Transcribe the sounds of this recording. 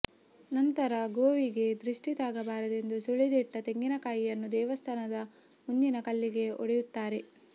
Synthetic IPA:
nɐnt̪ɐɾɐɡoːʋiɡe̞d̪ɾiʂʈit̪aːɡɐbaːɾɐd̪e̞nd̪usuɭid̪iʈːɐt̪e̞ŋɡinɐkaːjijɐnːud̪ɛːʋɐst̪ʰɐnɐd̪ɐ | munːinɐkɐlːiɡe̞o̰ɽejut̪ːaːɾe̞

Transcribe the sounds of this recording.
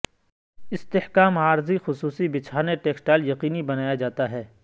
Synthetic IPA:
ɪst̪ɪhkaːmaːɾzixʊsuːsibɪt͡ʃʰaːneʈeːksʈaːljɐqiːnibɐnaːjad͡ʒaːt̪aɦɛː

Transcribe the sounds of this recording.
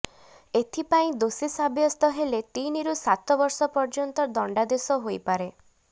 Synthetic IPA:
et̪ʰipaĩd̪osisabjɔst̪ɔɦelet̪iniɾusat̪ɔbɔɾsɔpɔɾd͡ʒɔnt̪ɔd̪ɔɳɖad̪esɔɦojpaɾe

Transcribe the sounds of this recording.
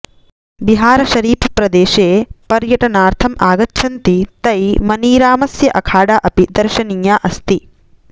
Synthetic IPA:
biɦaːɾɐʃɐɾiːpʰɐpɾɐd̪eːʃeːpɐɾjɐʈɐnaːɾt̪ʰɐmaːɡɐtːʃʰɐnt̪it̪ɐjmɐniːɾaːmɐsjɐʔɐkʰaːɽaːʔɐpid̪ɐɾʃɐniːjaːʔɐst̪i

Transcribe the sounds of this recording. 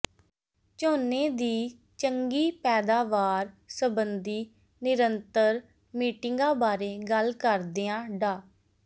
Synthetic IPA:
t͡ʃoːneːd̪iː | t͡ʃəŋɡiːpɛːd̪aːʋaːɾsəbənd̪iː | nɪɾənt̪əɾ | miːʈɪŋɡãːbaːɾeːɡəlkəɾd̪eːãːɖaː

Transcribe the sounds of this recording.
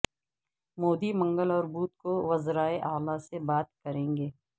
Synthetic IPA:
moːd̪imɐ̃ŋɡəlɔːɾbuːt̪̚koʋɐzɾaːeʔaːlasebaːt̪̚kɐɾẽːŋɡeː

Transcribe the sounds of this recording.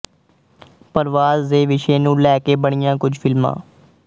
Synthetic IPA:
pəɾʋaːzːeːʋɪʃeːnũːlɛːkeːbəɳ̃ɪjãːkʊd͡ʒʱfʰɪlmã̰ː

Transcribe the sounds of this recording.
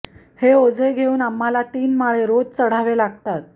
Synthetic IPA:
heod͡zeɡʱeuːnamːalat̪iːnmaɭeɾod͡zt͡səɽ̤aʋelaɡt̪at̪̚

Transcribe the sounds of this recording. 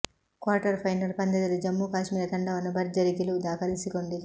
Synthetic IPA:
kwaːɾʈɐɾpʰɐjnɐlpɐnd̪ɐd̪ɐlud͡ʒɐmːukaːʃmiːlɐt̪ɐɳɖɐʋɐnːɐbʱɐɾd͡ʒɐɾikilud̪aːkɐlisikoɳɖi

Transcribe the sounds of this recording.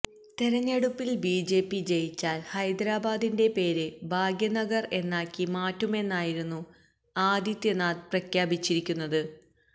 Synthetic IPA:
t̪eɾɐɲːeɽupːilbiːd͡ʑe̞ːpːit͡ɕe̞jit͡ɕːaːlhɐjd̪ɾaːbaːd̪inde̞pe̞ːɾebʱaːɡjɐnɐɡɐre̞nːaːkːimaːtːume̞nːaːjiɾunːu | aːd̪jit̪jɐnaːd̪̚prɐkʰjaːbit͡ɕːiɾikʲːunːɐðɨ

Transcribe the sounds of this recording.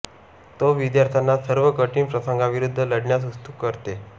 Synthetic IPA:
t̪oʋid̪jaɾt̪ʰjanːasəɾʋəkəʈiːnpɾəsəŋɡaʋiɾud̪ʱːələɽɳjas̬ust̪ukːəɾt̪e

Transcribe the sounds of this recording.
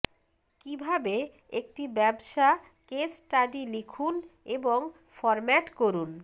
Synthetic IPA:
kibʱabe | ek̚ʈibɛbʃa | kesʈaɖilikʰuneboŋ | fɔɾmɛʈkoɾun

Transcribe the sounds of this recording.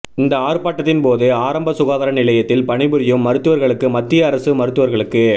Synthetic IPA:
ɪnd̪ɐaːɾɯpːaːʈːɐt̪ːɪnpoːðɯaːɾɐmbɐsʊɣaːðɐɾɐnɪlɐjɐt̪ːɪlpɐɳɪbɯɾɪjɯmːɐɾɯt̪ːɯʋɐɾɣɐɭɯkːɯmɐt̪ːɪjɐːɾɐsɯmɐɾɯt̪ːɯʋɐɾɣɐɭɯkːɯ

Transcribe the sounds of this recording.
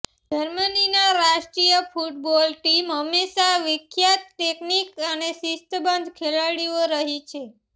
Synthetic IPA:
d͡ʒəɾməninaɾaʃʈɾijəfuʈ̚bɔlʈimɦəmeʃaʋɪkʰjat̪̚ʈeknikənesist̪əbənd̪ʱkʰelaɽioɾəɦit͡ʃʰe

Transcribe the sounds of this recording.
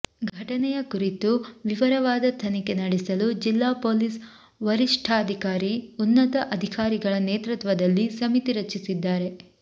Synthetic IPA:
ɡʱɐʈɐnɛjɐkuɾit̪uʋiʋɐɾɐʋaːd̪ɐt̪ʰɐnikenɐɽɛsɐlud͡ʒilːaːpoːlis | ʋɐɾiʂʈʰɐɐd̪ʱikaːɾiunːɐt̪ɐʔɐd̪ʱikaːɾiɡɐɭɐneːt̪ɾut̪ʋɐd̪ɐlːisɐmit̪iɾɐt͡ʃːisid̪ːaːɾe̞

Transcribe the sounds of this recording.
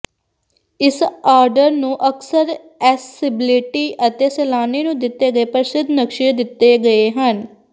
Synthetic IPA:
ɪsaːɾɖəɾnũːʔəksəɾ | ɛːsɪbɪlɪʈiːʔət̪eːsɛːlaːniːnũːd̪ɪt̪ːeːɡəeːpəɾɪsɪd̪ʱnəkʃɪd̪ɪt̪ːeːɡəeːɦən

